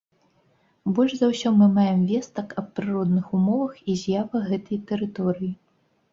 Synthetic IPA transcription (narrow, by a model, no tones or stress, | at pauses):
bɔlʲʐzɐwsʲɔmɨmajɛmvʲɛst̪ɐkɐp̚pɾɨɾɔd̪̚nɨxumɔvɐxizʲjavɐɣɛt̪ɐjt̪ɛɾɨt̪ɔɾɨji